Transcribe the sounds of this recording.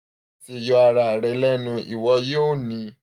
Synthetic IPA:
te˦˨jɔ˧a˧ɾa˨ɾɛ˨˧˦lɛ˦nũ˧ḭ˨wɔ˧jo˦˨nĩ˨˧˦

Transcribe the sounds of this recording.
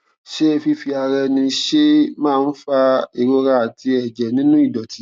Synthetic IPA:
ʃe˦˧fi˧fi˧a˧ɾɛ˧nĩ˧ʃe˦mãː˦˨˧n̩˦fa˦˧i˨ɾo˧ɾa˧˦a˨ti˧ɛ˨d͡ʒɛ˨nĩ˦nũ˦i˦˨dɔ˨ti˨˦

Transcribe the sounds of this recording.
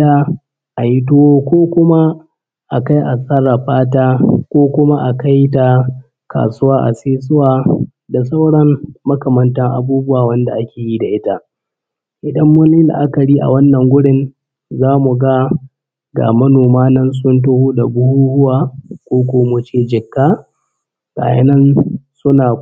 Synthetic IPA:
a˦ | ʔa˨ji˦t̬oː˦kʷoː˦kʷʊ˦ma˦ | ʔa˨ka˦jʔa˨sʼɐ˦ɾa˨ɸaː˦taː˦kʷoː˦kʷʊ˦ma˦ʔa˨ka˦jta˨ | kʰa̰ː˨sʊ˦waː˦ʔa̰˨seː˦s̬ʊ˦waː˨ | da˨s̬a˦wɽɐ˦mːɐ˦kɐ˨mɐ˦ntɐ˦ŋʔa̰˨buː˦bʊ˦waː˨wɐ˦nda̰˨ʔa˦kʲeː˨ji˦da˨ʔɪ˦ta˦ʔ | ʔɪ˨dɐ˦mːɐ˦nɪ˦la̰˨ʔa˦kɐ˨ɽiː˦ʔa̰˨wɐ˦nːɐ˨ŋɡʷʊ˦ɽɪ˨n | zaː˦mu˨ɡa˦ | ɡa̰˨mɐ˦noː˨maː˦nɐ˦nsʊ˦ntʊ˦hoː˦da˨bʊ˦huː˦hʊ˦waː˨kʷoː˦kʷoː˨mʊ˨t͡ʃeː˦d͡ʒɪ˨kːaː˦ | ka̰ː˨jɐ̰˦nɐ˦nsʊ˦naː˨

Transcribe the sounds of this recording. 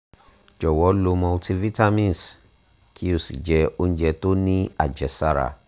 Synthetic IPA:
d͡ʒɔ˨wɔ˨˦lo˧mɔ̃˧lti˧vi˦ta˦mĩ˦n˨s | kʰi˦o˨sḭ˨d͡ʒɛ˧o˧ñ̩˦d͡ʒɛ˧to˦nĩ˦a̰˨d͡ʒɛ˨sa˦ɾa̰˨

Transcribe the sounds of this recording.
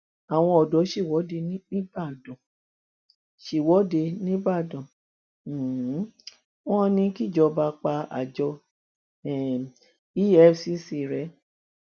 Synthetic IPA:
a˨w̃ɔ̃˧ɔ˨dɔ˨˦ʃi˦˨wɔ˨˦de˧˦nĩ˦ba˦˨dɔ̃˨ | ʃi˨wɔ˨˦de˧nĩ˦ba˦˨dɔ̃˨˦ | wɔ̃˦nĩ˧ki˦˨d͡ʒɔ˧ba˧k͡pa˧a̰˨d͡ʒɔ˧ | ɛ˨ | i˦ɛ˦si˦si˧˨ɾɛ˨˦

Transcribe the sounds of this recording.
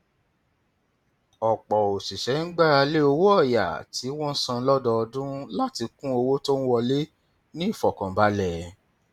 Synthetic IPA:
ɔ˨k͡pɔ˨o˨si˨ʃɛ˨˦n̩˦ɡ͡ba˦ɾa˧le˦o˧wo˦ɔ˦˨ja̰˨ti˨˦wɔ̃˦n̩˦sã˧˦lɔ˦dɔ˧ɔ˧dũ˦la˦ti˧kũ˦o˧wo˦to˦n̩˦wɔ˧le˦ | nĩ˦˨fɔ˨kã˨ba˨˦lɛ˨

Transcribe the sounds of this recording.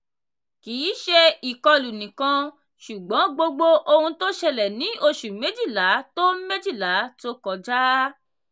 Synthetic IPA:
ki˨˦ʃe˧i˨kɔ˧lu˨nĩ˨kã˧ | ʃu˨ɡ͡bɔ̃˨˦ɡ͡bo˧ɡ͡bo˧ʔo˧hũ˧to˦ʃɛ˧lɛ˨nĩ˨˦ʔo˧ʃu˨me˨˦d͡ʒi˦˨la˨˦to˦me˦d͡ʒi˦˨la˨˦to˦kɔ˧d͡ʒa˦

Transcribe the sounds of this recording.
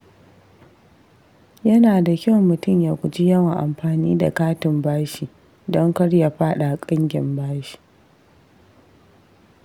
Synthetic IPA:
jɐ˦naː˨da˨kʲɐ˦wmmʊ˨tʊ˦˨mjaː˨kʷʊ˨d͡ʒi˦jɐ˦wa˨ʔa̰˨mɸaː˨niː˦da̰˨kaː˦tɪ˨mbaː˦ʃiː˨ | dɔ˦ŋkɐ˦ɽja˨ɸaː˦ɗa˨kʼɪ˦ŋɡʲɪ˨mbaː˦ʃi̥˨

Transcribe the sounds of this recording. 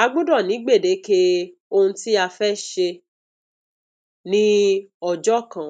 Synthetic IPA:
a˧ɡ͡bũ˦dɔ˦˨nĩ˨˦ɡ͡be˦˨de˨˦ke˦o˧hũ˧ti˦a˧fɛ˦ʃe˧ | nĩ˦ɔ˨d͡ʒɔ˦˨kã˨

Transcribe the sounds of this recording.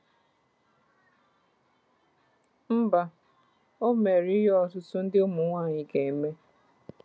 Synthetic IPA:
m̩˦ba˦ | o˦me˨ɾi˦jɔ˦˨tʊ˦sʊ˦n̩˦dɪ˦ʊ˦mu˨˦ŋʷa˦˨ɲi˨ke˨me˦

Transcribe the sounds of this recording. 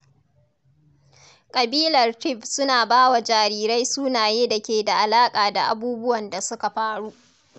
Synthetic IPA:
kʼɐ˨biː˦lɐ˨rtɪ˦˨ɸsʊ˦naː˨baː˦wa˨d͡ʒaː˨ɾiː˦ɾa˦jsuː˦naː˨jeː˦da˨kʲeː˨da˨ʔa˨laː˦kʼaː˨da˨ʔa˨buː˦bʊ˦wɐ˨nda˨sʊ˦ka˨ɸaː˦ɽuː˦ʔ

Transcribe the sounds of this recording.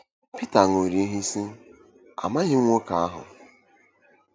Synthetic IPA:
pi˦ta˨ŋ˨o˨ɾi˨e˦ɦi˦si˦ | a̰˨ma˦ɦɪ˦ŋʷo˦ka˨a˦ɦʊ̰˨

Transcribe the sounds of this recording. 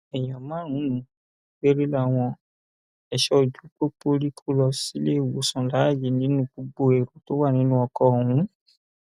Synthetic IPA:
ɛ˨j̃ɔ̃˨mãː˨˦ɾ̃ũ˨˦nũ˨˦ | ɡ͡be˦ɾi˦la˦˨w̃ɔ̃˧ | ɛ˨ʃɔ˧˨d͡ʒu˨˦k͡po˦k͡po˦ɾi˦kʰo˦lɔ˧si˨˦le˦˨wo˨˦sã˧la˨˦˨je˨˦nĩ˨˦nũ˦bu˧ɡ͡bo˧˦e˨ɾo˨˦to˦wa˦˨nĩ˨˦nũ˦ɔ˧kɔ˧˦˨hũ˨˦

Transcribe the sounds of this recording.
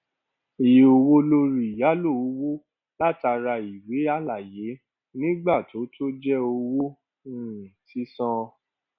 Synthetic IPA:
i˨je˨o˧wo˦lo˦ɾi˦˨ja˨˦lo˦˨˧wo˦ | la˦˨ta˧ɾa˧i˨we˨˦a˦˨la˨je˨˦ | nĩ˦ɡ͡ba˦˨tʰo˨˦tʰo˦d͡ʒɛ˦o˧wo˦ | ũ˦˨ti˨˦sɔ̃˦˧

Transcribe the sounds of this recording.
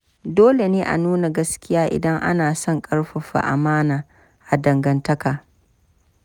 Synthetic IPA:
doː˦le˨neː˦ʔa̰˨nuː˦na˨ɡɐ˦skʲɪ˦jaː˦ʔɪ̰˨dɐ˦ŋʔa̰˦naː˨sɔ˦ŋkʼɐ˦ɽɸɐ˨ɸa̰˨ʔa̰˨maː˦naː˨ | ʔa˨dɐ˨ŋɡɐ˨ntɐ˦kaː˨

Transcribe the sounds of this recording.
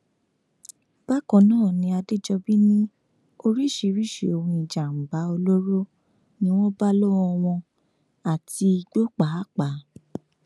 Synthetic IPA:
b̥a˦kɔ̃˨nãː˦˨nĩ˧a˧de˦d͡ʒɔ˧bi˦nĩ˦ | o˧ɾi˦˨ʃe˨˧ɾi˦˨ʃe˨o˧wũ˧i˨d͡ʒa˨m̩˨ba˨˦o˧lo˦ɾo˦ | nĩ˦w̃ɔ̃˦ba˦lo˦ɔ˧w̃ɔ̃˧ | a˨ti˧i˧ɡ͡bo˦k͡pa˨˦k͡pa˨˦

